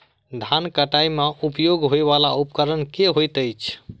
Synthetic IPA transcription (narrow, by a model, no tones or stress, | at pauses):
d̪ʱankəʈajmeʔupjoɡɦoeβalaupkəɾənkeɦojt̪əjt͡ʃʰ